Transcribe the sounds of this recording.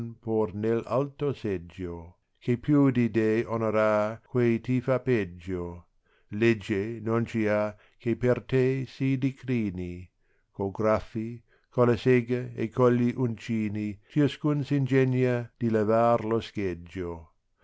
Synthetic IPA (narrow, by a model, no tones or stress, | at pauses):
npurnela̰lt̪osed͡ʒːo | kʰepʰjud̪id̪ejonoɾaːkwejt̪ifaped͡ʒːo | led͡ʒːenont͡ʃia | kʰepert̪esid̪ikɾiːni | koɡɾafːi | kʰolaseɡɐḛkʰolːiʔunt͡ʃiːnit͡ʃiaskunsind͡ʒenjad̪̥ilevaːrlosked͡ʒːo